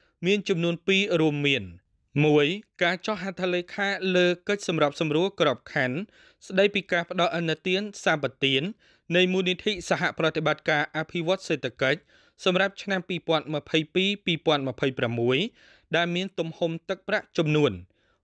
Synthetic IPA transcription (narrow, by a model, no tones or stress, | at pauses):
miənt͡ɕɑmnuənpiːruəmːiən | muəjkaːt͡ɕɑhɦat̪ʰalejkʰaːləːkɨc̚sɑmrap̚sɑmruəlkrɔp̚kʰan | sɗəjpiːkaːpə̆ɗɑlʔənːɨt̪iənsaːpat̪iənː | ɨjmuːnit̪ʰiːʔsaɦaʔprɑt̪eɓat̪̚kaːʔapʰiʋŏət̪̚seːt̪ʰakəc̚ | sɑmrap̚t͡ɕʰnampiːpɔ̆ənmə̆pʰəjpiːpiːpɔənmə̆pʰəjpramːuəj | ɗaɛlmiənt̪umhumt̪ɨk̚praʔt͡ɕɑmnuən